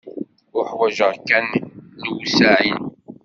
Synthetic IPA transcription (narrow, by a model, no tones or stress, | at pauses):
ʊħwæʒəʁkːænlwusaʕin